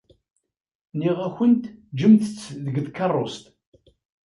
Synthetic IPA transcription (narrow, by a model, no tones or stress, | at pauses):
niʁæçənt̪d͡ʒəmθət͡sːðəɡðkɑrˤːost̪